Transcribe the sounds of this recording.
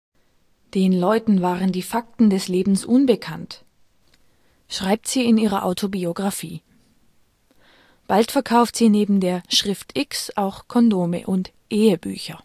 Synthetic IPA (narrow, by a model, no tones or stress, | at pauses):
d̥eːnlɔʏtn̩vaːʁəndiːfak̚tn̩dɛsleːbm̩sʔʊnbəkʰant | ʃʁ̥aɪp̚tz̥iːɪniːʁɐʔaʊtʰobioɡʁafiː | b̥altfɛɐkʰaʊftz̥iːneːbm̩deːɐʃʁ̥ɪftʰʔɪksʔaʊxkʰɔndoːmə̰ʔʊntʔeːəby̰ːçɐ